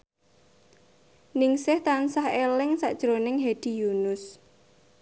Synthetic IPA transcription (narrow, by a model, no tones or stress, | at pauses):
nɪŋsɪht̪ansahelɪŋsa̰ʔd̥ʒ̥ɾonɪŋɦed̪̥i̤junʊs